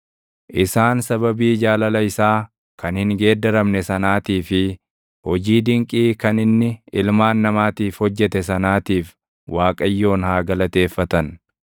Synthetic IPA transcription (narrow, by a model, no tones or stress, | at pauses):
ʔɪsaːnsɐbɐbiːd͡ʒaːlɐlɐɪsaː | kɐnhɪŋɡe̞ːd̪ɐɾɐmnɛsɐnaːt̪iːfɪ | hɔd͡ʒiːd̪ɪŋkʼiːkɐnɪnːɪɪlmaːnːɐmaːt̪iːfhɔd͡ʒːɛt̪ɛs̬ɐnaːt̪iːf | waːkʼɐjːo̞ːnhaːɡɐlɐt̪e̞ːfːɐt̪ɐn